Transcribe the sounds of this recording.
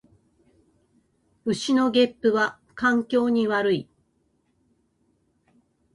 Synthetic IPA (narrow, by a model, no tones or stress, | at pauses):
ɯ̟ɕino̞ɡʲe̞pːɯ̟βa | kãŋkʲo̞ːɲ̟iβaɾɯ̟i